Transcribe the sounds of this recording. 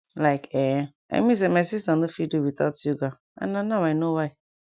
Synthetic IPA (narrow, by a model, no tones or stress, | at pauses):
laɪkɛ | a̰ɪmis̬emaɪsistandofiduwit̪ɔtjuɡa | ã̰nãnawaɪnowaɪ